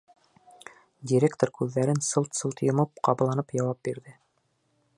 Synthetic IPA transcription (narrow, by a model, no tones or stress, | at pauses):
dʲiɾʲekt̪oɾkʉðːæɾɘnsɤlˠt̪sɤlˠt̪jŏmɤp̚qɑβlˠɑnɤpjɑwɑp̚biɾðɘ